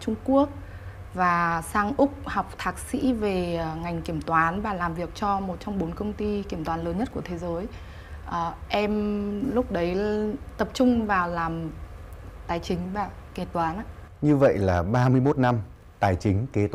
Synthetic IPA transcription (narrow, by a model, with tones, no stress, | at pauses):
t͡ɕʊ˧ŋ͡mku˦˥ək̚ | vaː˨˩saː˧ŋʔʊ˦˥k͡p̚ha˨˩wk͡p̚t̪ʰaː˨˩k̚sḭ˧˥ve˨˩ŋa˨˩jŋ̟ki˧˩əmt̪waː˨˦nvaː˨˩laː˨˩mvi˨˩ək̚t͡ɕɔ˧mo˨˩t̚t͡ɕɔ˧wŋ͡mɓo˨˦nkə˧wŋ͡mt̪i˧ki˧˩əmt̪waː˨˦nləː˨˦nɲə˦˥t̚ku˧˩ət̪ʰe˨˦zəː˨˦j | ʔəː˨˩ʔɛ˧mlʊ˦˥k͡p̚ɗə˨˦jt̪ə˨˩p̚t͡ɕʊ˧ŋ͡mvaː˨˩wlaː˨˩m | t̪aː˨˩jt͡ɕï˨˦ŋ̟ɓaː˧˩ki˧˩t̪waː˨˦na˧˨ | ɲɨ˧və̰˧˨jlaː˨˩ɓaː˧mɨ˧əjmo˦˥t̚na˧m | t̪aː˨˩jt͡ɕï˨˦ŋ̟ke˨˦t̪